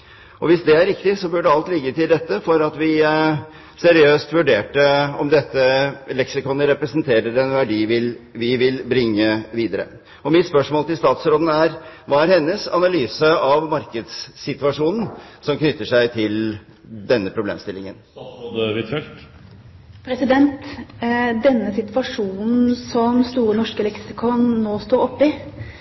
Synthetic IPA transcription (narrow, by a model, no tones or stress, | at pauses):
ʔɔʋɪsd̪ɛæɾɪkt̪ɪsɔbʉɖəɑlt̪lɪɡːət̪ɪld̪ɛt̪ːəfɔɾɑt̪ʋɪ | sɛɾɪøːst̪ʋʉɖeːʈəɔmd̪ɛt̪ːəlɛksɪkɔnːəɾɛpɾəsənt̪ʰeːɾəɾɛnʋæɖiːʋɪlʋɪʋɪlbɾɪŋːəʋiːd̪əɾə̰ | ɔmɪt̪spœʂmoːlt̪ɪlst̪ɑːt̪sɾoːd̪n̩æɾʋɑːæɾhɛnːəsɑ̰nɑlyːsəɑʋmɑɾkəd̪sːɪt̪ʋɑʂuːnn̩sɔmknʏt̪ːəʂæɪt̪ʰɪl | d̪ɛnːəpʰɾʊblḛːmst̪ɪlɪŋə̰nd̪ɛʋɪt̪ʰɛlt̪ | pʰɾɛsɪd̪ɛnt̪ | d̪ɛnːəsɪt̪ʋɑʂuːnn̩sɔmst̪uːɾənɔʂkəlɛksɪkʰɔnnoːst̪oːɔpːɪ